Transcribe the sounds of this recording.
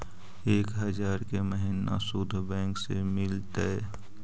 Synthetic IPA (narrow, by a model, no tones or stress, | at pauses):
eːkɦəd͡ʒaːɾkeməɦina̰sʊd̪ʱbɛ̃ːŋksemɪlt̪əɛ